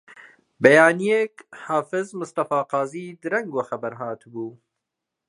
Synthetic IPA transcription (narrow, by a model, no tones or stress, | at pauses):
bɛjaːnijeːkhaːfɪzmʊst̪ɑfaːqɑːziːd̪ɨɾɐŋɡwɐxɐbɐɾɦaːt̪buː